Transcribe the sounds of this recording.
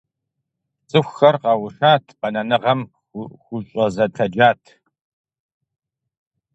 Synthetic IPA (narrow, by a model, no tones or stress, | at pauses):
sʼɨxʷxɐrqɑwʊʃaːtʰpɐnɐnɨʁɐm | xʷʊɕʼɔzɐtʰɐd͡ʒaːtʰ